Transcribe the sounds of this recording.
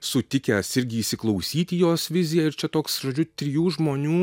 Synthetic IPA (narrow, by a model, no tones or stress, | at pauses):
sʊt̪ʲɪkʲɛːsɪɾʲɡʲɪiːʃʲsʲɪklˠɒʊsʲiːt̪ʲɪjoːsʋʲɪzʲɪjɛɪɾt͡ʃʲɛt̪oːksʒoːd͡ʒʲʊt̪ʲɾʲɪjuːʒmoːnʲuː